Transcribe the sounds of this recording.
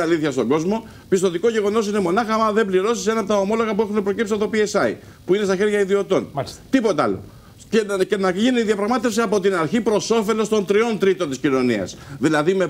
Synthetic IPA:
ɐliθçɐst̪o̞ŋɡo̞zmo̞ | pist̪ot̪iko̞ʝe̞ɣo̞no̞s̬ine̞mo̞nɐxɐmɐðe̞mbliɾo̞si̥se̞nɐpot̪ɐo̞mo̞lo̞ɣɐpue̞xunepɾo̞cipsi̥st̪ɐt̪opiesɐḭ | puine̞st̪ɐçe̞ɾʝɐiðio̞t̪o̞nt̪ipo̞t̪ɐ̰lo̞̰ | cece̞nɐʝiniiðiɐpɾɐɣmɐt̪e̞fsiɐpo̞t̪inɐɾçipɾo̞so̞fe̞lo̞st̪o̞nt̪ɾio̞nt̪ɾit̪o̞nt̪iscino̞niɐ̰sðilɐðime̞

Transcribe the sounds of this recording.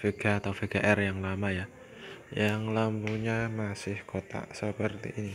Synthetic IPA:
feɡ̥aːt̪awfeɡ̥aʔɛrjaŋlamaja | jaŋlambuɲamasɪhkot̪a̰ʔsəpərt̪ḭʔini

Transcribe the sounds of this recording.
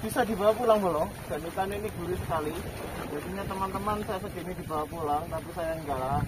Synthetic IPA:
b̥isad̪ibawapulaŋbalɔ | d̥a̤nik̪aniniɡuɾusə̥kalijat̪iɲat̪əmant̪əmansajas̬aɡinidibawapulaŋnapisajaəŋɡala

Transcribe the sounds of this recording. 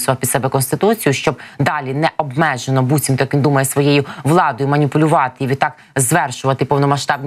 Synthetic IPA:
sɔʋɐpʲid̪sɛbɛkɔnst̪ɪt̪ut͡sʲijʊʃt͡ʃɔb̚d̪ɑlʲinɛʔɔbmɛʒenɔbut͡sʲimt̪ɔjɐkʋʲind̪umɐjɛsʋɔjɛjʊʋlˠɑd̪ɔjʊmɐnʲipʊlʲʊʋɑt̪ɪiʋʲit̪ːɑk | zʋɛrʃʊʋɐt̪ɪpɔwnɔmɐʃt̪ɑb̚nʲ

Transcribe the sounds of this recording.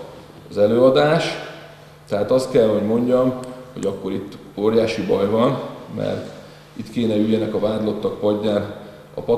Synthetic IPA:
ɒzɛløːɒd̪aːʃ | t̪ɛɦaːt̪ɒst̪̚kɛlɦo̞ɟmo̞ɲɟɒmho̞̰ɟɒkːo̞ɾit̪ː | oːɾjaːʃibɒjvɒnmɛ̰rt̪ | it̪keːnɛyjːɛnɛkɒvaːd̪lo̞t̪ːɒk̚pɒɟːaːn | ɒ̰pɒ

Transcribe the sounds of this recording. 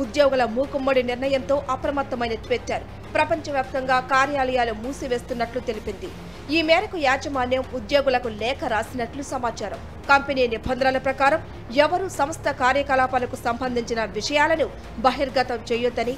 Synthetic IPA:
ud̪joːɡulɐmuːkumːɐɽiniɾnɐjɐnt̪o̞ːʔɐpɾɐmɐt̪ːɐmɐjnɐt͡ʃʋeːt͡ʃːaːɾu | pɾɐpɐɲt͡ʃɐʋjaːp̚t̪ɐŋɡaːkaːɾjaːlɐjaːlumuːsiʋe̞ːst̪unːɐʈlut̪e̞lipind̪i | iːmɛːɾɐkujaːd͡ʒɐmaːnjɐmud̪joːɡulɐkulɛːkɐɾaːsinɐʈlusɐmaːt͡ʃaːɾɐm | kɐmpeniːniɾbʱɐnd̪ɾaːlɐpɾɐkaːɾɐm | ɛʋɐɾusɐmɐst̪ʰɐkaːɾjɐkɐlaːpɐlɐkusɐmbʱɐnd̪ʱiɲt͡ʃinɐʋiʂɐjaːlɐnu | bɐɦiɾɡɐt̪ɐmt͡ʃɛjud̪ɐni

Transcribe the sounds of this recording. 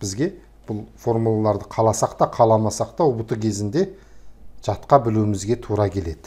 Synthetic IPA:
b̥ɪzɡʲe̞ | b̥ʊlˠfo̞ɾmulˠalˠɑɾd̪əqʰɑlˠɑsɑqt̪ɑqʰɑlˠɑmɑsɑq̚t̪ɑʊbʊt̪əkʲʰe̞zɪnd̪e̞ | ʒ̥ɑt̪qɑbɪluɪmɪzɡʲe̞t̪ʰuɾɑkʲʰe̞le̞d̪ɪ

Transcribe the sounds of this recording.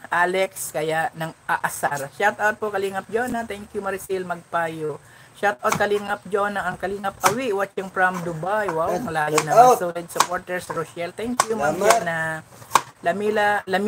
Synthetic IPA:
ʔaːlɛkskɐjaʔnɐŋʔɐʔɐsaɾʃat̪awt̪̚pokɐliŋɐp̚d͡ʒonat̪ɛŋkjʊmɐɾsilmɐɡ̚pajo | ʃat̪̚ʔɐt̪̚kɐliŋɐp̚d͡ʒonɐʔɐŋkɐliŋɐp̚ɐwiwɐt͡ʃɐŋpɹɐmd̪ʊbajwawɐŋlaːjonɐŋsolɛd̪̚sʊpoɹt̪ɛɹsɾosɛlt̪ɛŋkjumɐmɛnɐ | lɐmilɐlɐm

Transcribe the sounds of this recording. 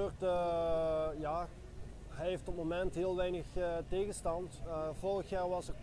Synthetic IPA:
ørtə | jaː | ɦɛjɦeftɔt̚momɛntɦɪːlˠʋɛjnəxteːɣənstɑntvɔrəxjaːrʋɑsə

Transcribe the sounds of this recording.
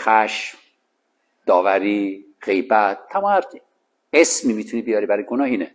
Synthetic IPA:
xæʃm | d̪̥ɒːvæɾiː | ɢ̥e̞jbæt̪̚ːʰæmɒːæɾ | esmiːmiːt̪ʰuniːbijɒɾiːbæɾɒjɡonɒːiːne

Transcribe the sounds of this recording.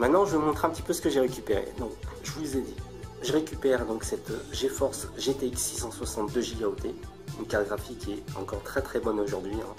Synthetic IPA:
mɛ̃t̪nɑ̃ʒəəmɔ̃t̪χɛ̃pət̪i̥pøsə̥kəʒeʁekʲypeʁḛd̪ɔ̃kʒəvulezed̪i | ʒəʁekʲypɛʁd̪ɔ̃ksɛt̪ʒefɔʁsʒet̪eiksːisɑ̃swasɑ̃t̪̚d̪øʒiɡaot̪ʰe | ynkaʁteɡʁafikʲiɛɑ̰̃kɔʁt̪χɛt̪χɛbɔnoʒuʁd̪ɥiɛ̃

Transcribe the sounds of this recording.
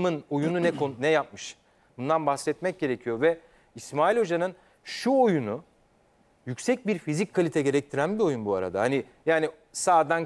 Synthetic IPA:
mɯno̞jununɛkʰonnɛjap̚mɯʃ | bund̪anbaxsɛt̪mɛc̚ɟe̞ɾecʰijo̞vɛ | ismaːilʲo̞d͡ʒanɯn | ʃuojunu | jycʲsɛc̚biɾfizickʰalʲit̪ʰɛɟe̞ɾɛc̚t̪ʰiɾænbio̞junbua̰ɾa̰d̪a̰hani | jaːni | saːd̪an

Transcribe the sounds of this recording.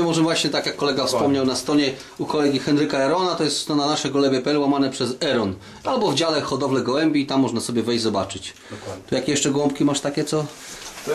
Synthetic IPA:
ɛmɔʐɛvwaɕɲɛt̪akjakːɔlɛɡafspɔmɲawnast̪ɾɔɲɛ | ukɔlɛɡʲixɛnɾɘkaɛɾɔnat̪ɔjɛst̪st̪ɔnanaʂɛɡulɛbʲɛpɛɛlwamanɛpʂɛzɛɾɔn | albɔvd͡ʑalɛxɔd̪ɔvlɛɡɔwɛmbʲiːt̪amːɔʐnasɔbʲjɛvɛjd͡ʑʲzɔbat͡ʂɘt͡ɕ | t̪ɔjakʲjɛʂt͡ʂɛɡwɔ̃mpkʲimaʂt̪akʲɛt̪sɔ

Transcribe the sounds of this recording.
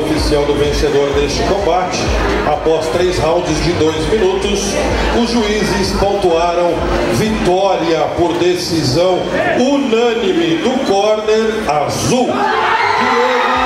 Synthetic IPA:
ofisiawd̪ʊvẽsed̪oɾnest͡ʃɪkõbat͡ʃɪ̥ | apɔst̪ɾejshawd͡ʒʊzd͡ʒɪd̪ojzmĩnut̪ʊs | ʊzʒuizɪskõnt̪uaɾɐ̃w̃ | vit̪ɔɾiɐpoɾd̪esizɐ̃w̃ | unɐ̃nimɪd̪ʊkɔɾneɾazuwkɪɛ

